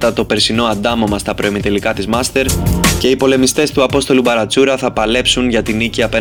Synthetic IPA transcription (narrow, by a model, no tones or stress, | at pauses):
t̪ɐt̪o̞pe̞ɾsino̞ɐnd̪ɐmo̞mɐst̪ɐpɾoemit̪e̞likɐt̪izmɐst̪e̞ɾce̞ipo̞le̞mist̪e̞st̪uɐpo̞st̪o̞lubɐɾɐt͡suɾɐθɐpɐle̞psunʝɐt̪iniciɐpe